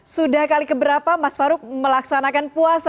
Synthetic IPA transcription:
sudahkalikəbəɾapamasfaɾʊk̚məlaksanakanpuasa

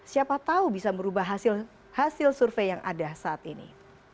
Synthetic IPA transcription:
siapat̪aubisaməɾubaɦasɪl | hasɪlsurfejaŋa̰dasaːt̪inḭ

